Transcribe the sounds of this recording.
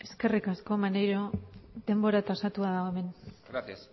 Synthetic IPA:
e̞ske̞rikasko̞manejɾoðe̞mbo̞ɾat̪asat̪uaðaoe̞me̞ns

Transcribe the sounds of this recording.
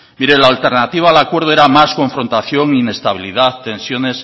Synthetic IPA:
miɾelaːlt̪e̞ɾnat̪iβ̞aːlakwe̞ɾð̞oeɾamasko̞ɱfɾo̞nt̪aθjo̞ŋine̞st̪aβ̞iliðaθt̪e̞nsjo̞ne̞s

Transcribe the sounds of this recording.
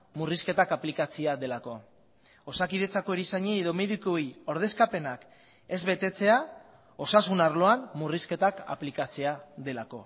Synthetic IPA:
muriske̞t̪akaplikat͡siaðe̞lako̞ | osakið̞e̞t͡sako̞eɾiisaɲeːðo̞me̞ðikoio̞ɾð̞e̞skape̞nak | e̞zβe̞t̪e̞t͡se̞a | o̞sasunaɾlo̞anmuriske̞t̪aka̰plikat͡seaðe̞lako̞̰

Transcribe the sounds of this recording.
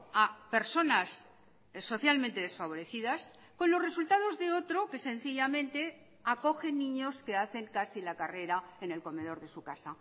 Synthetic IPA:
ape̞ɾso̞nasː | o̞θjalmẽnt̪e̞ð̞e̞sfaβ̞o̞ɾe̞θiðas | ko̞nlo̞sre̞sult̪aðo̞zðe̞o̞t̪ɾo̞ke̞sẽ̞nθiʎamẽ̞nt̪e̞ | ako̞xe̞nːĩɲo̞ske̞aθe̞ŋkasilakare̞ɾaene̞lko̞me̞ð̞o̞ɾðe̞sukasa

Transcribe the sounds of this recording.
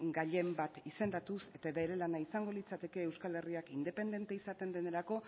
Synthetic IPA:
ɡaʎe̞mbat̪ise̞nd̪at̪use̞t̪aβeɾe̞lanaisaŋɡo̞lit͡sat̪e̞ke̞ːwskale̞riakind̪e̞pe̞nd̪e̞nt̪eisat̪e̞nd̪e̞ne̞ɾako̞

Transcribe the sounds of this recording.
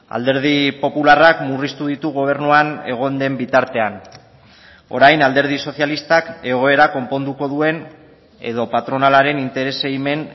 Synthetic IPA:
a̰ld̪e̞ɾð̞ipo̞pularakmurist̪uðit̪uɣo̞β̞e̞ɾnuane̞ɣ̞o̞nd̪e̞mbit̪aɾt̪e̞an | o̞̰ɾajnald̪e̞ɾð̞iso̞θjalist̪ake̞ɣo̞e̞ɾako̞mpo̞nd̪uko̞ðue̞n | e̞̰ðo̞pat̪ɾo̞nalaɾe̞nint̪e̞ɾe̞seime̞n

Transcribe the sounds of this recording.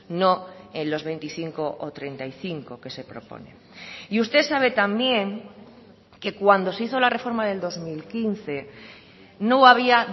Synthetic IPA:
no̞ẽnlo̞zβe̞jnt̪iθiŋko̞ʔot̪ɾe̞nt̪ajθiŋko̞ke̞se̞pɾo̞̰po̰nḛ | iust̪e̞saβ̞e̞t̪ambje̞ŋ | ke̞kwand̪o̞seiθo̞lare̞fo̞ɾmaðe̞ld̪o̞zmilkin̟θe̞ | noaβ̞ia

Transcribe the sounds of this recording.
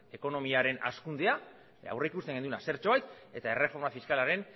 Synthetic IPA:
e̞ko̞no̞miaɾe̞na̰skund̪ea | a̰wre̞ikust̪e̞ŋɡenuenase̞ɾt͡ʃo̞ajt̪e̞t̪ae̞re̞fo̞ɾmafiskalaɾe̞n

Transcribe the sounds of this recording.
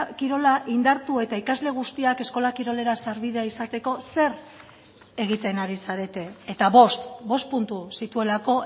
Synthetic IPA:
kiɾo̞laʔind̪aɾt̪ue̞t̪aikazle̞ɣ̞ust̪iake̞sko̞lakiɾo̞le̞ɾasaɾβiðe̞aisat̪e̞ko̞se̞ɾ | e̞ɣ̞it̪e̞naɾisaɾe̞t̪e̞ːt̪aβo̞st̪bo̞st̪̚punt̪usit̪ue̞lako̞

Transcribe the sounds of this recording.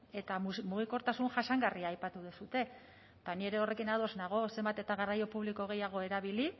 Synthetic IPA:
e̞t̪amuɣ̞iko̞ɾt̪asunʝasaŋɡariaːjpat̪uðesut̪e̞ | t̪anie̞ɾe̞o̞re̞kinaðo̞znaɣ̞o̞se̞mbat̪e̞t̪aɣarajo̞puβliko̞ɣ̞e̞jaɣ̞o̞e̞ɾaβili

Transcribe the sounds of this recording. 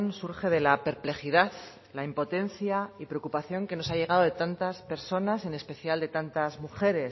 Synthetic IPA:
nsuɾxe̞ð̞e̞lape̞ɾple̞xiðaθ | laimpo̞t̪e̞nθjaipɾe̞o̞kupaθjo̞ŋke̞no̞saʝe̞ɣ̞aðo̞ð̞e̞t̪ant̪aspe̞ɾso̞nase̞ne̞spe̞θjald̪e̞t̪ant̪azmuxe̞ɾe̞s

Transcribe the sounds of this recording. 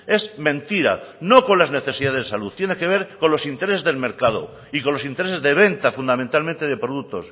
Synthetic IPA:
e̞zmẽ̞nt̪iɾa̰no̞ko̞nlazne̞θe̞siðaðzðesaluðt̪je̞ne̞keβ̞e̞ɾko̞nlo̞sint̪eɾesezðe̞lme̞ɾkað̞o̰ | iko̞nlo̞sint̪e̞ɾe̞se̞zðe̞β̞e̞nt̪afund̪amẽnt̪almẽnt̪eðepɾoðuk̚t̪o̞̰s

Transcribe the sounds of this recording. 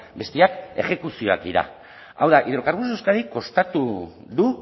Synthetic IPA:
be̞st̪eake̞̰xe̞kusio̞ak̚d̪iɾa̰ | awðaʔiðɾokaɾβusewskaðiko̞st̪at̪u | ðu

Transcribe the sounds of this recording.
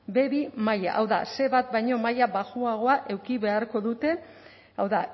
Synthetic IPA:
be̞βimaja̰ʔawða̰se̞βat̪̚bajɲo̞majaβaʝuaɣ̞o̞aʔe̞wkiβe̞aɾko̞ðut̪e̞ | awða

